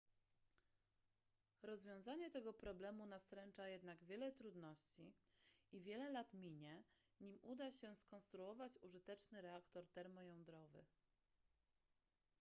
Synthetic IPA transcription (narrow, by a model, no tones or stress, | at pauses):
ɾɔzvʲjɔ̃w̃zaɲɛt̪ɛɡɔpɾɔblɛmunast̪ɾɛnt͡ʂajɛd̪naɡvʲjɛlɛt̪ɾud̪nɔɕt͡ɕiivʲjɛlɛlat̪mʲiɲɛ | ɲimud̪aɕɛskɔnst̪ɾuɔvat͡ɕuʐɘt̪ɛt͡ʂnɘɾɛakt̪ɔɾt̪ɛɾmɔjɔ̃nd̪ɾɔvɘ̰